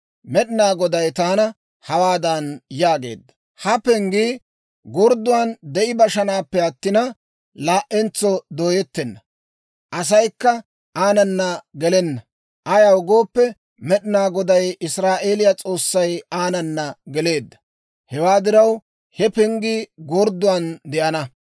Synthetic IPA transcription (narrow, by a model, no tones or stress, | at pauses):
mɛɗɪnaːɡɔd̪ɐjt̪aːnɐ | hɐwaːd̪ɐnjaːɡe̞̰ːd̪ːɐ̥ | hɐpɛŋɡiː | ɡɔɾd̪ʊwand̪ɛʔɪbɐʃɐnaːpːɛɐt̪ːɪnɐ | laːʔɛnt͡sɔd̪oːjɛt̪ːɛnːɐ | ʔɐs̬ɐjkːɐ | aːnɐnːɐɡɛlɛnːɐ | ʔɐjɐwʊɡo̞ːpːɛ | mɛɗɪnaːɡɔd̪ɐjɪsɾaːʔe̞ːlɪjɐt͡sʼo̞ːsːɐjaːnɐnːɐɡɛle̞ːd̪ːɐ̥ | hɛwaːd̪ɪɾɐw | hɛpɛŋɡiɡɔɾd̪ʊwaːnd̪ɛʔɐnɐ